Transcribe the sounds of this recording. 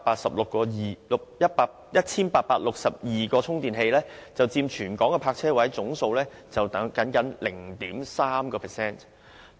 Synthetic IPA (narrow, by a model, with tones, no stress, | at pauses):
paː˧t̚sɐ˨p̚lʊ˨kːɔː˧jiː˨˩lʊ˨k̚jɐ˥t̚paː˧k̚jɐ˥t̚t͡sʰiː˥npaː˧t̚paː˧t̚lʊ˨k̚sɐ˨p̚jiː˨kɔː˧t͡sʰʊ˥ŋt̪iː˨nɦe˧jlɛː˥t͡sɐ˨˩wt͡siː˧mt͡ʃʰyː˨˩nkɔː˨˥ŋkɛ˧pʰaː˧k̚t͡sʰɛː˥wɐ˨˥jt͡sʊ˨˥ŋso˧wlɛː˥ | t͡sɐ˨w̪ɐ˨˥kɐ˨˥nkɐ˨˥nlɪ˨˩ŋt̪iː˨˥msaː˥mkɔː˧pʰɛ˨˩sɛː˥˩n